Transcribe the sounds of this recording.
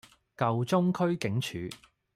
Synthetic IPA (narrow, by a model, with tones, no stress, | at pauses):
kɐ˨wt͡sʊ˥ŋkʰɵ˥ɥkɪ˨˥ŋt͡ʃʰyː˨˧